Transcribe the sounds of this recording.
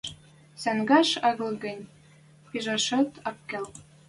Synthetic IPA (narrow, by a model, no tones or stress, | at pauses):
sæŋɡɑʃɑɣlɤ̆ɡə̆nʲ | piʒɑʃɤ̆t̪ɑp̚kæl